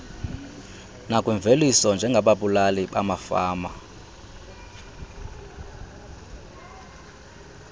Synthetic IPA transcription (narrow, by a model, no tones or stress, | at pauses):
nakʼwiɱb̪vʱelisɔnd͡ʒʱɛŋɡʱaɓaɓulaliɓa̰mafaːma